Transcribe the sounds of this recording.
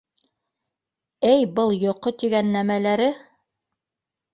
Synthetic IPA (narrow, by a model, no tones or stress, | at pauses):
ɘjbɤlˠjŏqːot̪iɡænːæmælæɾɘ